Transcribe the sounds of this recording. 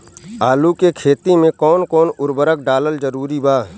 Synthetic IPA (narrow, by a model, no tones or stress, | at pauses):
aːlukekʰeːt̪imẽkɔːnkɔːnʊɾbəɾək̚ɖaːləld͡ʒəɾuːɾibaːɦ